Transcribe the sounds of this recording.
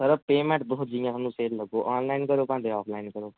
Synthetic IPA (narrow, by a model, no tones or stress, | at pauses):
səɾəpeːmẽɳʈ̚d̪oɦ̪d͡ʒĩjãsʰanːũseːlləɡoʔɔːnlaːɪnkəɾoːpãnd̪eɔːpʰlaːɪnkəɾoː